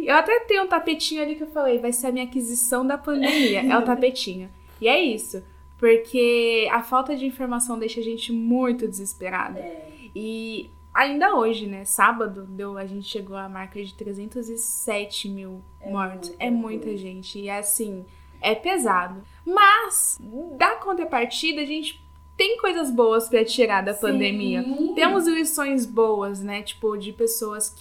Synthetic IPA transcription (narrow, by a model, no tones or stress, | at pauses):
ewat̪ɛt̪ẽj̃ʊũt̪apet͡ʃĩɲʊalikɪewfalejvajseɾɐmĩɲakizisɐ̃w̃d̪ɐpɐ̃nd̪emiɐʔɛʊt̪apet͡ʃĩɲʊ | ɪɛisʊ | poɾkʰeɐfawt̪ɐd͡ʒɪĩfoɾmasɐ̃w̃d̪eʃɐʒẽnt͡ʃɪmũj̃t̪ʊd͡ʒɪzɪspeɾa̰d̪ɐ | ɪ | aĩnd̪ɐoʒɪnɛsabɐd̪ʊd̪ewɐʒẽnt͡ʃɪ̥ʃeɡoɐmaɾkɐd͡ʒɪt̪ɾezẽnt̪ʊzɪsɛt͡ʃɪmiw | mɔɾt̪ʊsɛmũj̃t̪ɐʒẽnt͡ʃɪɪasĩ | ɛpezad̪ʊ | mɐsd̪ɐkõnt̪ɾɐpaɾt͡ʃid̪ɐʒẽnt͡ʃɪ̥ | t̪ẽj̃kojzɐzbowɐspɾɐt͡ʃiɾaɾd̪ɐpɐ̃nd̪ẽmiɐt̪ẽmʊzilisõj̃zbowɐsnɛt͡ʃi̥pʊd͡ʒɪpesowɐskɪ